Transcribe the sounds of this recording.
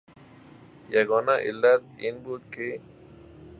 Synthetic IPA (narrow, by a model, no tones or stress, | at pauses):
jaɣonaʔḭlat̪̚inbut̪̚ki